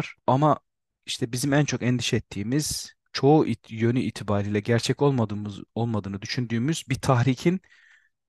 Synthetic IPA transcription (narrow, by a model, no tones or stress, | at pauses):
ɾ̥ama | iʃt̪ʰɛbizimænt͡ʃʰo̞kɛnd̪iʃɛɛt̪ʰːiːmiz̥ | t͡ʃʰo̞uʔijø̞nyiːt̪ʰibaːɾijlʲɛɟæɾt͡ʃʰɛcolˠmolˠmad̪ɯːnɯd̪yʃynd̪yːmyz̥bit̪ʰaxɾiːcʰin